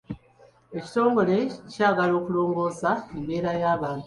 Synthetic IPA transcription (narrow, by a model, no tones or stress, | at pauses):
e̞ci̥to̞ːŋɡo̞le̞caːɡalo̞ːkulo̞ːŋɡo̞ːzaembe̞ːɾajaːβaːntu